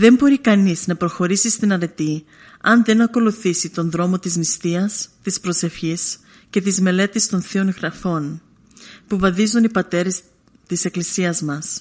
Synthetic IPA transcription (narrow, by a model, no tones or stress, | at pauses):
ðe̞mbo̞ɾikɐniznɐpɾo̞xo̞ɾisist̪inɐɾe̞t̪i | ɐnðe̞nɐko̞luθisit̪o̞nðɾo̞mo̞t̪iznist̪iɐst̪ispɾo̞se̞fçis | ce̞t̪izme̞le̞t̪ist̪o̞nθio̞nɣɾɐfo̞n | puvɐðizunipɐt̪e̞ɾes | t̪ise̞klisiɐzmɐs